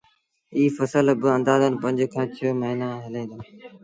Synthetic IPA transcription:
iːfəsəlbɪə̃nd̪aːzən̆pə̃ɲd͡ʒkʰãːt͡ɕʰəməɦiːnaːɦɪlẽːn̆d̪aː

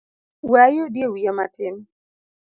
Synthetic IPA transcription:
wajodjewiamatɪn

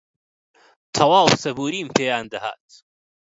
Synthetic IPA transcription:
t̪ʰɐwaːwsɐbuːɾiːmpʰeːjaːnd̪ɐha̰t̪

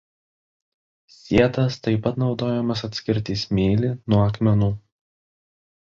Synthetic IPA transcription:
sʲiɛt̪ɐst̪ɐɪpɐt̪nɒʊd̪oːjɛmɐs̬ɐt̪ʲsʲkʲɪɾʲt̪ʲiːsmʲeːlʲinuɔɐkmʲɛnuː

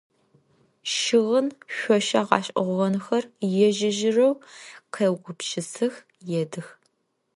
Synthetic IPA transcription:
ʃɪʁənɕʷɔʃɐʁɑ̰ːɕʼɔʁʷːɐnxɐrjɛʒɪʒɪrɐwqʰɐwɡʷʊpʃɪsɨx | jɛdɨx

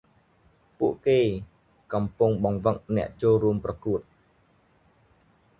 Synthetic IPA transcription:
puəʔkeː | kɑmpuŋɓɑŋʋək̚nɛ̆əʔt͡ɕoːlɾuəmprɑkuət̪̚

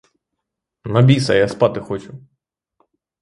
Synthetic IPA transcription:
nɐbʲisɐjaspɑt̪ɪxɔt͡ʃʊ

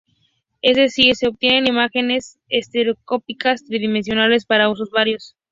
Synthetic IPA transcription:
ezðe̞siɾse̞oβ̚t̪jenenimaxe̞ne̞s | est̪e̞ɾo̞sko̞pikast̪ɾiðimẽ̞ns̬jo̞nale̞spaɾaus̬o̞zβaɾjo̞s

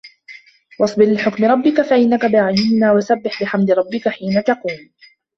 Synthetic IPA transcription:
wɑsˤbɪllɪħʊkmɪɾˤɑbːɪkafaʔɪnːakabɪʕajɪhɪnaːwasabːɪħbɪħamd̪ɪɾˤɑbːɪkaħiːnat̪ɑquːm

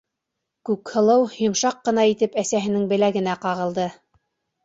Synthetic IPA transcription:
kʉkhɤ̆lˠɤwjŏmʃɑqːɤ̆nɑit̪ɘpæsæɦɘ̆nɘŋbɘ̆læɡɘ̆næqɑʁɤ̆lˠd̪ɤ

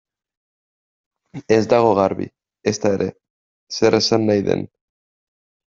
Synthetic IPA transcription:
e̞zd̪aɣ̞o̞ɣaɾβḭ | est̪ae̞ɾʔe̞ | se̞ɾe̞sanːajðḛn

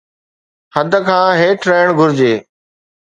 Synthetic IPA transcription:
həd̪ʱəkʰãːɦeːʈʰɾəːɳ̃ɡʱʊɾɪd͡ʑeː

